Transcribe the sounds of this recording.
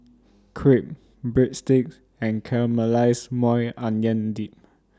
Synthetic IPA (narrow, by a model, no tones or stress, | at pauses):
kʰɹip̚ | bɹitstik̚s | ɛ̃nkʰɛɹməlaɪsmɔjãnjə̃ndip̚